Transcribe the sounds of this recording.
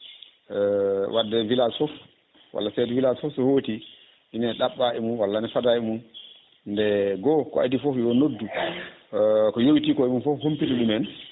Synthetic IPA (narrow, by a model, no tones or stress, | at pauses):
wʔadːɛviladfɔf | wa̰lːasɛdɛvilasfɔfsɔhoti | inaɗaɓːaʔɛmunwalːanɛfadaɛmun | ndɛɡɔkɔ̰a̰difɔfjɔnodːu | kɔjowitikɔɛmunfɔfhompituɗumɛn